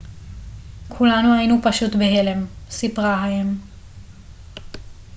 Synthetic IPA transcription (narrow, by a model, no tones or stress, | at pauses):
kʰulanuajinupaʃut̪beɦelemsipʁaɦajem